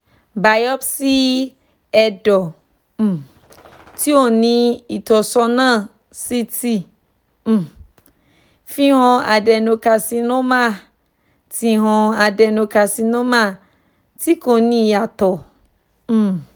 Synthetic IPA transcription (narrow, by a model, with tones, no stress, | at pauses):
ba˨jɔ˦bsi˦ | ɛ˧dɔ˨ | m̩˨ | ti˦o˦˨nĩ˧i˨t̪ɔ˨sɔ˧nã˦˨ | si˦ti˦ | m̩˨ | fĩ˦ɦɔ̃˧a˨dɛ˨nõ˨ka˨si˧nɔ̃˦mã˦ | ti˨ɦɔ̃˧a˨dɛ˨nõ˨ka˨si˧nɔ̃˦mã˦˨ | ti˦ko˨nĩ˦ja˨t̪ɔ˨ | m̩˦˨